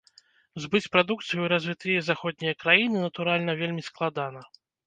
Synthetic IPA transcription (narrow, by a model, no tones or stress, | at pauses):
zbɨt͡sʲpɾad̪ukt̪sɨjuɾazʲvʲit̪ɨjɐzaxɔd̪̚ʲnʲijɐkɾajinɨnɐt̪uɾalʲnɐvʲelʲmʲisklˠad̪anɐ